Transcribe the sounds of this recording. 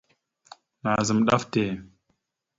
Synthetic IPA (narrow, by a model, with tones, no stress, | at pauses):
na˨zə˨mɗa˦fte˨